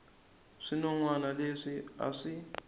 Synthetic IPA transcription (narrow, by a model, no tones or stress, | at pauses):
ʂinɔŋwanaleʂia̰ʂi